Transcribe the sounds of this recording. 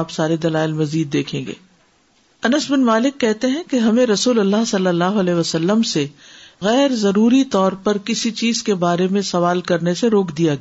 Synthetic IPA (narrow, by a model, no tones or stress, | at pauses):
psaːɾed̪ɐlaːɪlmɐziːd̪ːeːkʰẽːŋɡḛː | ɐnəsbɪnmaːlɪkːɛɦt̪eɦɛ̃keɦɐmẽɾɐsuːlɐlːaɦsɐlːəlːaːɦoɐlɛːɦʋɐsɐlːəmseɣɛːɾzɐɾuːɾit̪ɔːɾpɐɾkɪsit͡ʃiːzkebaːɾemẽsɐʋaːlkɐɾneseɾoːkʰd̪ijaɡ